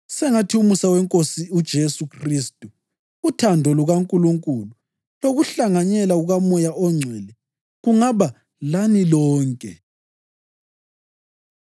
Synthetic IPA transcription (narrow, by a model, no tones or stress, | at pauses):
sɛŋatʰiumusawɛŋkʼosiud̥ʒ̥ʱesukʰriːstʼuː | tʰandʱɔluɣaŋkʼuluŋkʼulu | loɣuɬaŋaɲɛlaɣuɣamɔjaʔɔŋ͡ǀʱɛːlɛ | ɣuŋaβa | lanilɔːŋkʼɛ̰